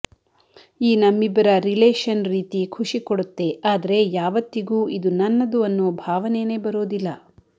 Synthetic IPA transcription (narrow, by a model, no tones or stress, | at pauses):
iːnɐmːibɐɾɐɾileːʂɐnɾiːt̪ikʰuʂikoɽut̪ːe̞aːd̪ɐɾe̞jaːʋɐt̪ːiɡuːʔid̪unɐnːɐd̪uɐnːuːbʱaːʋɐneːne̞ːbɐɾoːd̪ilːɐ